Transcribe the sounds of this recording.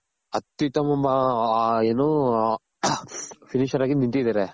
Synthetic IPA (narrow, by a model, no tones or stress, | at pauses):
ɐt̪ːjut̪ɐmɐmɐeːnoː | pʰiniʃɐɾaːɡinint̪iid̪ɐɾe